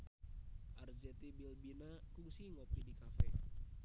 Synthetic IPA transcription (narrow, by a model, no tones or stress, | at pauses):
ʔarzɛt̪ibilbinakuŋsiŋɔplidikafɛ